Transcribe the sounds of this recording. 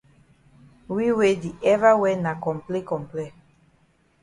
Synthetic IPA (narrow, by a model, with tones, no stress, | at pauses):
wi˦we˦di˨ʔɛ˦va˦wɛ˦na˨kɔ̃˨mple˦kɔ̃˨mplɛ˦